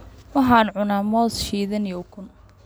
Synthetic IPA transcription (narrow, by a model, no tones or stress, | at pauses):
wɐɦaːnʕʊnaːmɔːsʃiːðɐnijɔʊkʰʊn